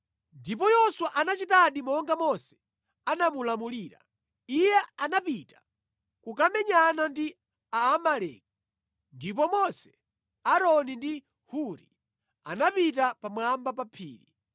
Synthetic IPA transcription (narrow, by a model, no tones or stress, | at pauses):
ndip̬ɔjɔswaʔanat͡ʃitaɗimɔŋɡamɔsɛ̥ | anamulamuliːɾa̰ | ijɛanapitḁ | kukamɛɲanandi | aːmalɛ̰k̚i | ndip̬ɔmɔsɛ̥ | aɾɔnindi | huɾḭ | a̰napitapamwambapapʰḭːɾḭ